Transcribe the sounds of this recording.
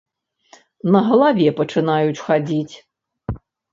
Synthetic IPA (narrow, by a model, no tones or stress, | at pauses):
nɐɣɐlˠavʲɛpɐt͡ʂɨnajut͡sʲxad͡zʲit͡sʲ